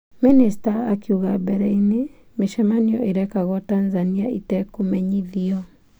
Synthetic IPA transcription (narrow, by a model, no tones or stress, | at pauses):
ministaːkiuɣabɛɾɛine | meʃɛmaniɔʔeɾɛkaɣɔtanzaniaʔitɛkumɛɲiðiɔ